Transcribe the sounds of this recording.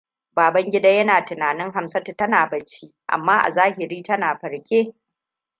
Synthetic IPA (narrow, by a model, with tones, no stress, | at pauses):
baː˨bɐ˦ŋɡʲɪ˦da˦jɐ˦naː˨tɪ˨naː˨nɪ˦ŋɦa˨msɐ˦tɐ˨tɐ˦naː˨bɐ˨t͡ʃi˦ʔa̰˨mːaː˦ʔa̰˨zaː˦hɪ˨ɾiː˦tɐ˦naː˨ɸɐ˨ɽkʲeː˦